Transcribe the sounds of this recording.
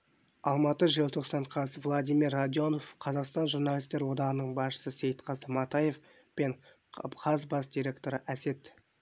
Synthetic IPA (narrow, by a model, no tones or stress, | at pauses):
ɑlˠmɑt̪əʒiəlˠt̪ʰo̞qsɑɴqʰɑsvlˠad̪ijmirːad̪jo̞no̞fqʰɑzɑqst̪ɑnʒurnalʲijst̪e̞ɾwo̞d̪ɑʁənəɴbɑsʃə̥səse̞jt̪qʰɑzəmɑt̪ɑje̞f | pe̞ɴ | qʰɑzbɑsd̪iɾʲe̞kt̪o̞ɾəʔæse̞t̪